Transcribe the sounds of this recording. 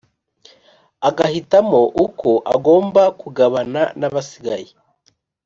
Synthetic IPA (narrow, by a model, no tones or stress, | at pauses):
aɡahitamo̞ʔukʰoʔa̰ɡo̞ːmbakuɡaβananaβasiɡaje